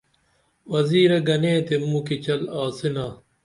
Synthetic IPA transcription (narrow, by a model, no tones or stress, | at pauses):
wɐziːɾɐɡɐnẽːt̪emũːkit͡ɕɐlaːsinaː